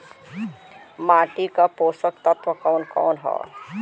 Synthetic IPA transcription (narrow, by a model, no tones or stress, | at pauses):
maːʈikapoːsəkt̪ət̪wəkɔːnkɔ̰ːnɦɔ̰ː